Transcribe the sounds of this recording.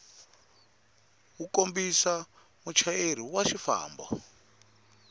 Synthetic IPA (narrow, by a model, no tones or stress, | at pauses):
ukombisa | mut͡ʃʰaeɾ̤iwaʃifa̰ːmbɔ̰